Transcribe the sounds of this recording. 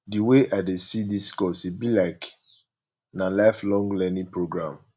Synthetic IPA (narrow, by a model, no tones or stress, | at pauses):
diweʔadesidiskɔsibilaɪk | nalaɪflɔ̃ŋɡlɛnĩpɹoɡɹãm